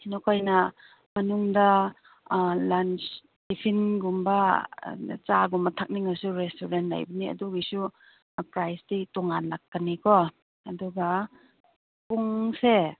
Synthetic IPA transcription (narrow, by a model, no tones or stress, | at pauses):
inɔkajnɐ | mɐnuŋda | lant͡ʃ | dipʰinɡumba | t͡ʃaɡumbɐtʰak̚niŋasuɾestuɾentla̰jbɐniɐ̰duɡisu | pɾajstitɔŋanlakːanikʰɔ | ɐduɡa | puŋse